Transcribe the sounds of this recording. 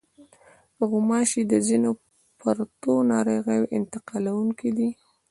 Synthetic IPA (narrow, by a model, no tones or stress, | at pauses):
pəɣʊmɑʃid̪əzino | pʰaɾt̪onɑɾəoɣəjʔɪnt̪ɪqɑlawuŋkid̪i